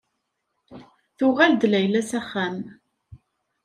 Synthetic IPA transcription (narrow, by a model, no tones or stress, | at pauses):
θʊʁæld̪læjlæsæχːæm